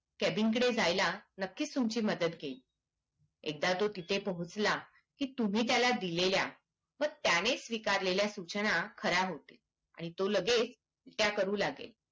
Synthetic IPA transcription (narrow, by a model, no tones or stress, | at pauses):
kæbiŋkəɽed͡zajlanəkːiːt͡st̪umt͡ɕiːməd̪ət̪ɡʱeli | ḛk̚d̪at̪ot̪it̪ʰepəɦut͡sla | kiːt̪um̤iːt̪jalad̪ilelja̰ | ʋəɡ̚t̪jañesʋikaɾleljasut͡ɕnakʰəɾaɦot̪e̥ | a̰ɽ̃it̪oləɡet͡s | t̪jakəɾũːlaɡḛl